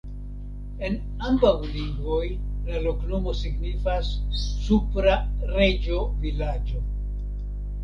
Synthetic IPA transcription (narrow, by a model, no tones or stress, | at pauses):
e̞n | ambawliŋɡvo̞jlalo̞kno̞mo̞siɡnifasːupɾaɾed͡ʒo̞vilad͡ʒo̞